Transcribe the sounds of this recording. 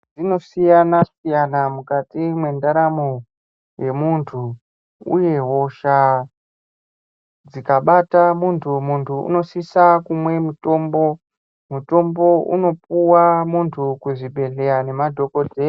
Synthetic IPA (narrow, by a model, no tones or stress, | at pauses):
d͡zino̞sijanasijanamukatimwe̞ndaɾamo | je̞muntʰu | ṵje̞ɦo̞ʃa | d͡zikaɓatamuntʰumuntʰuṵno̞sisakumwe̞muto̞mbo̞ | muto̞mbo̞ṵno̞p̚uwamuntʰukuʐibʱe̞ɮe̞ɾane̞madʱo̞ko̞dʱe